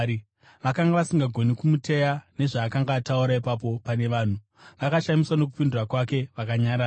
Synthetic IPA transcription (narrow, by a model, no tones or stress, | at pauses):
ʋakaŋɡaʋasiŋɡaɡʱo̞nikumute̞jane̞ʐaːkaŋɡaːtauɾaipap̬o̞pane̞ʋaːn̤u | ʋakaʃamiswano̞k̬upindurakwake̞ʋakaɲaɾaː